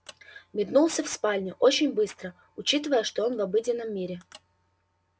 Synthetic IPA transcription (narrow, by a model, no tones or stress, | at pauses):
mʲɪd̪nulˠsʲəfspalʲnʲɪʔot͡ɕɪnʲbɨst̪ɾə | ʊt͡ɕit̪ɨvəjəʂt̪o̞onvɐbɨdʲɪnːəmːʲiɾʲɪ